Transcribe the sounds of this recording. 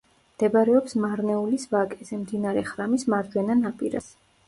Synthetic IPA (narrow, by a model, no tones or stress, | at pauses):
md̪̥ɛbaɾɛɔpsmaɾnɛulisvakʼɛzɛmd̪inaɾɛχɾamismaɾd͡ʒwɛnanapʼiɾa̰s